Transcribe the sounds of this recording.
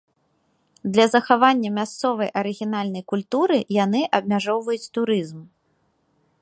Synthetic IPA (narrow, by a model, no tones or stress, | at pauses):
d̪lʲɐzɐxavanʲːɐmʲast̪sɔvɐjʔɐɾɨɣʲinalʲnɐjkulʲt̪uɾɨjanɨʔɐb̚mʲaʐɔwvɐjut͡sʲt̪uɾɨzm